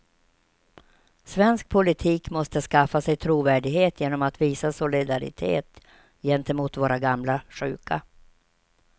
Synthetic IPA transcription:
svɛnsk̚pʰʊlɪt̪ʰiːkmɔst̪əskafːasɛjt̪ʰɾuːvæːɖɪɡheːt̪ʰjeːnɔmat̪viːsasʊlɪd̪aɾɪ̰t̪ʰḛːt̪ | jɛnt̪ɛmuːt̪voːɾaɡamlaɧʉ̟̰ːka

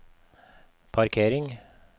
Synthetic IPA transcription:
pʰɑɾkʰeːɾɪŋ

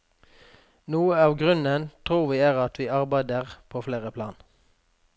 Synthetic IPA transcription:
nuːəɑːʋɡʁʉnənt̪ʰʁuːʁʋiːæːʁɑt̪ʰʋiːʔɑʁbæɪd̪əʁpʰoːfleːʁəpʰlɑːn

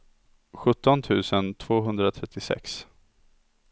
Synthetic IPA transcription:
ɧɵt̪ːɔnt̪ʰʉ̟ːsənt̪ʰv̥oːɦɵnd̪ɾat̪ʰɾɛt̪ʰːɪsɛ̰ks

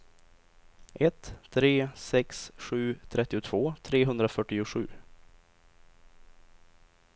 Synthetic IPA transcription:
ʔɛt̪ʰːɾeːsɛksɧʉ̟ːt̪ʰɾɛt̪ːɪʊt̪ʰv̥oːt̪ʰɾeːɦɵnd̪ɾafœʈːɪʊɧʉ̟̰ː

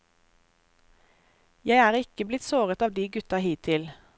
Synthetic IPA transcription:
jæɪæːʁɪkəblɪt̪soːʁət̪ɑːʋd̪iːɡʉt̪ɑhiːt̪ʰɪl

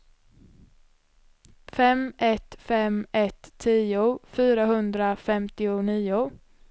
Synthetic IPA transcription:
fɛmɛt̪fɛmɛt̪ʰːiːʊfyːɾaɦɵnd̪ɾafɛmt̪ɪʊniːʊ

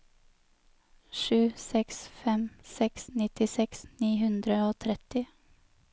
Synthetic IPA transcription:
ʃʉːsɛksfɛmsɛksnɪt̪ɪsɛksniːɦʉnd̪ɾəoːt̪ʰɾɛt̪ɪ

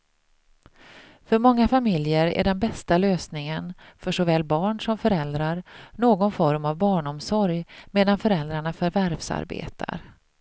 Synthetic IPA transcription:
fœɾmɔŋːafamɪljəɾæ̰ɖɛnbɛst̪aløːsnɪŋənfœʂɔvɛːlːbɑːɳʂɔmfœɾɛld̪ɾaɾnoːɡɔnfɔɾmavbɑːɳɔmsɔɾjmeːd̪anfœɾɛld̪ɾaɳafœɾvæɾvsa̰ɾbḛːt̪ʰa̰ɾ

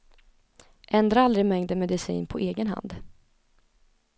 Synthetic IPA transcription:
ʔɛnd̪ɾaald̪ɾɪmɛŋd̪əmɛd̪ɪsḭːnpʰɔʔeːɡənɦa̰nd̪

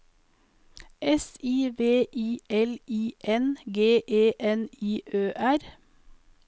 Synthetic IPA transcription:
ʔɛsiːʋeːʔiːʔɛlʔiːʔɛnɡeːʔeːʔɛniːʔøːʔæɾ

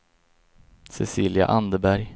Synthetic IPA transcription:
sɛsiːlja̰ʔand̪əbæɾj

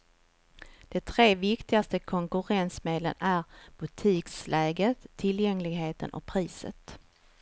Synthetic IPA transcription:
d̪̥ɛt̪ʰɾeːvɪkt̪ɪɡast̪əkʰɔŋkɵɾɛnsmeːd̪lə̰næɾb̥ɵt̪ʰiːkslʔɛːɡət̪ʰːɪljɛŋlɪɡɦeːt̪ʰə̰nʔɔ̰k̚pʰɾiːsə̰t̪

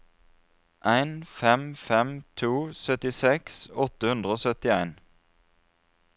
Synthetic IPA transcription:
ʔæɪnfɛmfɛmt̪ʰuːsœt̪ɪsɛksɔt̪əhʉnd̪ʁəoːsœt̪ɪæɪn

